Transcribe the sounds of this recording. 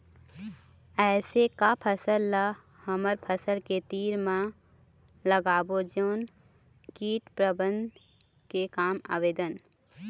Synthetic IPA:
ɛːsekapʰəsəlːa | həməɾpʰəsəlket̪iːɾmã | ləɡaːbod͡ʒoːn | kiːʈpɾəbə̃nd̪ | kekaːma̰ːʋeːd̪ən

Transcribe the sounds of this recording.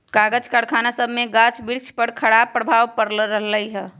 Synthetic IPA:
kaɡəd͡ʒkəɽkʰanasəbʱmeɡat͡ʃbiɾt͡ʃʰpəɾkʰəɽapːɾəbʱaʋpəɾlɾəɦləjɦɛ

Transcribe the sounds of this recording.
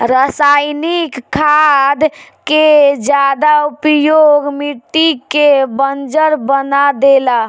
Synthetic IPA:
ɾəsajnikkʰːad̪ked͡ʒjad̪aupjoɡmiʈ̪ikebənd͡ʒəɾbənad̪ela

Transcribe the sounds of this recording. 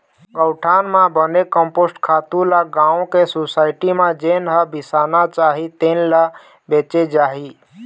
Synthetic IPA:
ɡəʊʈʰanmãbənekəmposʈkʰaːt̪ulaɡãõkesosaːɪʈimẽd͡ʒenɦəbisanat͡ʃaɦit̪enla | bet͡ʃed͡ʒaɦi

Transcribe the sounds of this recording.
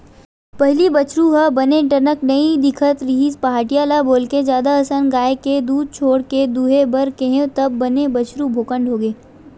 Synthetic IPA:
pɐɦlibɐt͡ʃɾuɦəbɐneʈɐnəknɐid̪ɪkʰət̪ɾɪɦiːspaɦaːʈijaːlaboːlked͡ʒjaːd̪aɐsənɡaːeked̪uːd̪̚t͡ʃʰoːɽked̪uːɦebɐɾkẽɦẽt̪ɐbːɐnebɐt͡ʃɾubʱoːkə̃ɳɖɦoːɡeː

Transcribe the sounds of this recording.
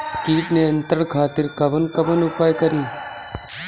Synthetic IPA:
kiːtneənt̪əɭkʰaːt̪ɪɾkəbənkəbənʊpajkəɾiː

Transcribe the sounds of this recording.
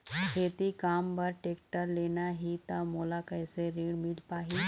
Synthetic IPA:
kʰeːt̪ikaːmbɐɾʈeːkʈəɾleːnaɦit̪amoːlakɐːseɾiːɽmɪlpaːɦi

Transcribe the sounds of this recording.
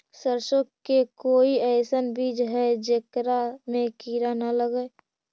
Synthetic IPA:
səɾʃokkːekoːiɛɪsənbiːd͡ʒɦɛd͡ʒeːkɾamẽkiːɾanaləɡəe

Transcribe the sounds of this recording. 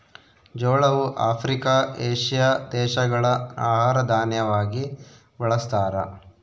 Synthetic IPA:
d͡ʒoːɭɐʋuʔaːpʰɾikaːʔeːʂijad̪ɛːʃɐɡɐɭɐaːɦaːɾɐd̪ʱaːnjɐʋaːɡi | bɐɭɐst̪aːɾɐ̰

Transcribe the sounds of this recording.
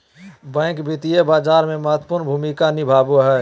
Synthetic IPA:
bɛ̃ɪkbit̪ijebaːd͡ʒaɾmeməɦət̪ːpuɾnbʱumikanibʱabuɦɛ

